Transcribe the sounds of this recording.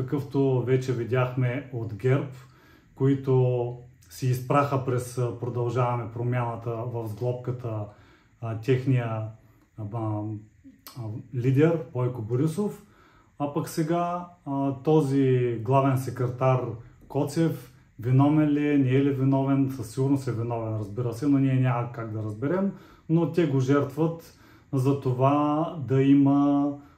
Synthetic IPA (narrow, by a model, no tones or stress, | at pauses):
kəkɤft̪ovɛt͡ʃɛvid̪ʲjaxmɛot̪ɡʲɛɾp | koit̪o | sɛːspɾaxəpɾɛspɾod̪ɐlˠʒavɐmɛpɾomʲjanət̪əvɐvzɡlˠɔp̚kət̪ə | t̪ʲɛxnijə | lʲid̪ɛɾpɔjkoboɾisof | ɐpɐksɛɡa | t̪ɔziɡlˠavɛnsɛkɾɛt̪aɾkɔt̪sɛf | vɛnɔmɛnlɛnʲɛɛːlɛvɛnɔvɛnsəsiɡʊɾnosɛvɛnɔvɛnɾɐzbiɾəsɛnoniɛnʲamɐkaɡd̪ɐɾɐzbɛɾɛm | not̪ʲɛɡoʒɛɾt̪vət̪ | zɐt̪ovad̪ɐimə